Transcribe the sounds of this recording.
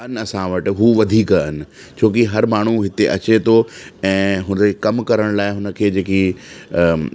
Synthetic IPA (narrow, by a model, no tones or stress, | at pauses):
ɐnɪ̆ɐsãʋɐʈɪ̆ɦuʋɐd̪ʱiːknɪ̆ | t͡ɕʰoːk̬iɦɐɾmaːɳ̤uɦɪt̪eʔɐt͡ɕet̪ʰoɛ̃ːɦʊnd͡ʑekɐmkɐɾəɽ̃laːɪɦʊnə̆kʰeːd͡ʑeːki